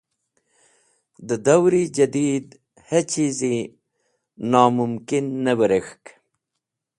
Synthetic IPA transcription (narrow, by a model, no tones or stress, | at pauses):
d̪əd̪awɾid͡ʒad̪id̪ | hat͡ʃʰizi | nɑːmʊmkɪnːəwəɾexk